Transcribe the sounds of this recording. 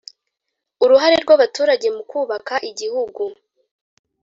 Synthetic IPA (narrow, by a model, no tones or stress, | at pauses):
uɾuɦaɾe̞ɾɡwaβatuːɾaɟe̞mukuːβakaʔiɟihuɡu